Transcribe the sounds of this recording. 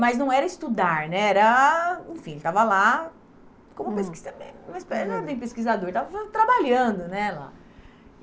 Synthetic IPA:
mɐznɐ̃w̃ɛɾɐɪst̪ud̪aɾnɛɛɾɐẽfĩelɪt̪avɐla | kõmʊpeskizɐmemɐspɛnɛt̪ẽj̃peskizad̪oɾt̪avɐɐt̪ɾabaʎɐ̃d̪ʊnɛla̰

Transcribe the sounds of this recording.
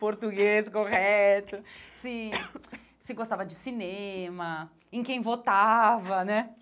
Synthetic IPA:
poɾt̪uɡeskoʁɛɛt̪ʊsɪ | sɪɡost̪avɐd͡ʒɪsinẽmɐ | ẽkẽj̃vot̪avɐnɛ

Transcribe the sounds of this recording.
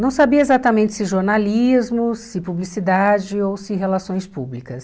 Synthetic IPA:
nɐ̃w̃sabiɐezat̪ɐmẽnt͡ʃɪ̥sɪʒoɾnalizmʊssɪpublisid̪ad͡ʒɪowsɪɦelasõj̃spublikɐs

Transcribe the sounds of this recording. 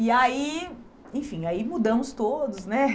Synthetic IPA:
iai | ẽj̃fĩaimud̪ɐ̃mʊst̪od̪ʊsnɛ

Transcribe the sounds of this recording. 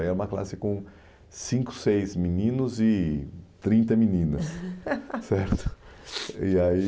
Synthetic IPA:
ɛɾũmɐkla̰sɪkõ | sĩŋkʊ̥sejzminĩnʊzɪt̪ɾĩnt̪ɐmĩnĩnɐs | sɛɾt̪ʊ̥ | iai

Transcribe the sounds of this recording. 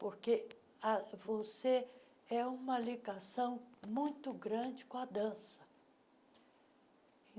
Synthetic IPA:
poɾke | avose | ɛũmɐliɡasɐ̃w̃mũj̃t̪ʊɡɾɐ̃d͡ʒɪkõɐd̪ɐ̃sɐ̥

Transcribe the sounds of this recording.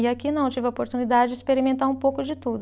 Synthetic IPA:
ɪakinɐ̃w̃t͡ʃivɪopoɾt̪unid̪ad͡ʒɪd͡ʒɪispeɾimẽnt̪aɾũpowkʊd͡ʒɪt̪ud̪ʊ

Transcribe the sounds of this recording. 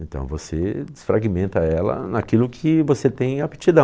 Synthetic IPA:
ẽnt̪ɐ̰̃w̃vosed͡ʒɪsfɾaɡimẽnt̪ɐɛlɐ̰nakilʊkʰɪvoset̪ẽj̃api̥t͡ʃid̪ɐ̃

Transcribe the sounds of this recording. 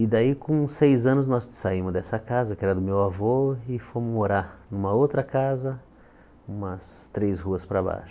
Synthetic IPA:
ɪd̪aikõsejzɐ̃nʊznɔssaimʊzd̪ɛsɐkazɐkɪɛɾɐd̪ʊmewavoɪfõmʊzmoɾaɾnũmɐowt̪ɾɐkazɐ | ũmɐst̪ɾeshuɐspɾaba̰ʃʊ̥

